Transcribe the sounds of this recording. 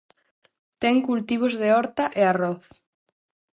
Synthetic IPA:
t̪ɛŋkult̪iβ̞ozðeɔɾt̪aʔearɔθ

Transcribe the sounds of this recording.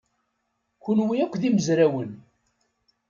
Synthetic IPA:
kʊnwiækʷːðiməzɾæwən

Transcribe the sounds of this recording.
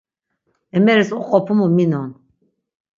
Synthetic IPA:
ɛmɛɾɛsuqʼɔpʰumuminɔn

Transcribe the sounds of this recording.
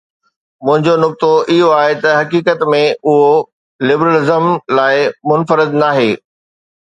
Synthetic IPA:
mʊ̃ɦɪ̃ɲd͡ʑonʊk̚t̪oʔɪɦoaːɦet̪ɐɦɐkiːkət̪mẽʊɦo | lɪbɾəlɪzəmlaːɪmʊnfəɾɪd̪naːɦeː

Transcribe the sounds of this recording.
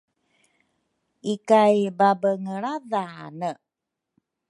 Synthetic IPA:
ikajbabəŋəɭaðaa̰nə

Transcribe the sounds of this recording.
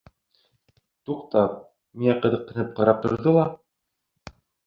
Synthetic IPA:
t̪uqt̪ɑp̚ | minæqɤ̆ðɤ̆q̚ːɤ̆nɘp̚qɑɾɑp̚t̪ŏ̰ɾðɤlˠɑ

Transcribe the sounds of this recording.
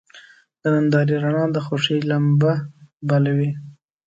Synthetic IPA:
d̪̥ənand̪ɑɾiɾanɑd̪əxoʂilambabalawi

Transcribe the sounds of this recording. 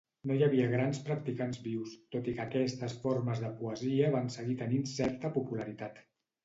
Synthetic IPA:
nojəβiəɣ̞ɾanspɾək̚t̪ikanzβiwst̪ot̪ikəːkɛst̪əsfoɾməzðəpuəziəβansəɣit̪əninsɛɾt̪əpupuləɾit̪at̪

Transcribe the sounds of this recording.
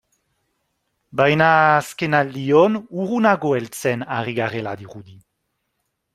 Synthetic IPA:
bajnaskenald̪ionuʁunaɣoelt͡sɛnaʁiɡaʁela̰d̪iʁud̪i

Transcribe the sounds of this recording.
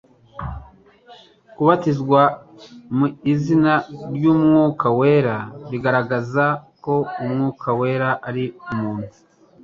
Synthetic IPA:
kuβatizɡwa | muizinaɾɟuːmŋuːkaweːɾaβiɡaɾaɡazako̞umŋuːkʰawe̞ːɾaʔaɾiumuːn̥hu

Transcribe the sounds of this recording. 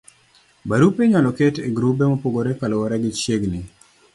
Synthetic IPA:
baɾupeɲalɔketeɡɾupemopoɡoɾekalɔɔɾɛɡɪt͡ʃjeɡnɪ

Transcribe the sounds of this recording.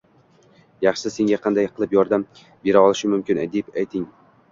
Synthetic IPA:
jɑχʃɪse̞ŋɡʲaqʰɑnd̪ajqʰɨlˠɪpjɒɾd̪am | be̞ɾaɒlˠɪʃɪmʊmkʲɪnd̪epajt̪ʰɪŋ

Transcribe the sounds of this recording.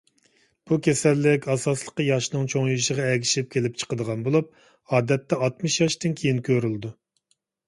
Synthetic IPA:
b̥ukʲʰesɛlːɪkʲɑsɑslˠə̥qəjɑʃnɨŋt͡ʃʰoŋjiʃəʁɑɛɡʲiʃɪp̚kʲʰelɪp̚t͡ʃʰə̥qəd̪əʁɑnbolˠup̚ | ɑːd̪ɛt̪ːɛɑt̪mɨʃjɑʃt̪ɨnkʲʰejinkʲʰøɾyld̪u

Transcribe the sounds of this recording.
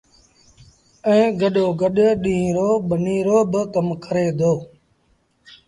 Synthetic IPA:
ɛ̃ːɡəɗoːɡəɗɗĩːɾoːɓəniːɾoːbəkəmkʰəɾeːd̪oː

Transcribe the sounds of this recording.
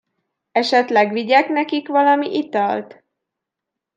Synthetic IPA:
ɛʃɛt̪lɛɡʋiɟɛknɛkikʋɒlɒmiʔit̪ɒlt̪

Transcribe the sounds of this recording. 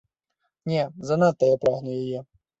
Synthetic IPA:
nʲɛzɐnat̪ːɐjapɾaɣnʊjajɛ

